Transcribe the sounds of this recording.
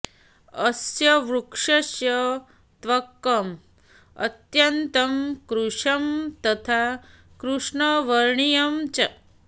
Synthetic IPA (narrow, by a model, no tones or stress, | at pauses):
ɐsjɐʋɾukʂɐsjɐ | t̪ʋɐkːɐm | ɐ̰t̪jɐnt̪ɐmkɾuʂɐmt̪ɐt̪ʰa | kɾuʂɳɐʋɐɾɳijɐmt͡ʃɐ